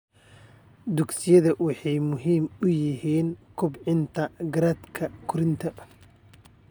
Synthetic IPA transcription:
d̪ʊɡsɪjɐðɐwɑħɑjmʊɦiːmʊjɪɦiːnkʰʊbʕɪnt̪ʰɐɡɐɾaːd̪kʰɐkʰʊɾɪnt̪ʰɐ

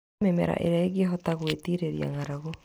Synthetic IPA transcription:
memḛɾa̰ʔḛɾaeɣiaɦɔtaɣwetiɾeɾia̰ŋaɾaɣo

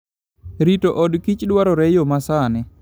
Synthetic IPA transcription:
ɾitoʔɔdkit͡ʃdwaɾɔɾɛjomasanɛ

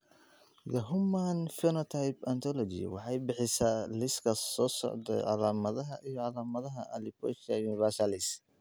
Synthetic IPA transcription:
jɐɦʊmanfɛnɔt̪ʰajpɐnt̪ʰɔlɔd͡ʒḭwɑ̰ħɑjbɪħɪsaːlɪskʰɐsɔːsɔ̰ʕd̪ɛ̰ʕɑlaːmɐðɐɦɐʔijɔʕɑlaːmɐðɐɦɐʔɐlɪbɔʃɐjunɪvɛsalɪs

